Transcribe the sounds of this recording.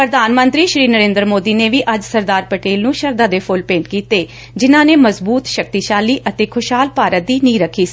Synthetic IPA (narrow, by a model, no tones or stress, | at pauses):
pɾəd̪aːnmənt̪ɾiːʃɾiːnəɾẽːnd̪ɾmoːd̪iːneːʋiːʔəd͡ʒsəɾd̪aːɾpəʈeːlnũːʃəɾd̪ãːd̪eːpʰʊlpẽːɳʈkiːt̪eː | d͡ʒɪnãːneːməzbuːt̪ʃək̚t̪iːʃaːliːʔət̪eːkʰʊʃɦaːlpaːɾət̪̚d̪iːnĩːɾəkʰiːs